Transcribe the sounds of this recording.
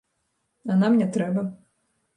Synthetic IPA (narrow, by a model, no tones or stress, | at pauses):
anamnʲɛt̪ɾɛbɐ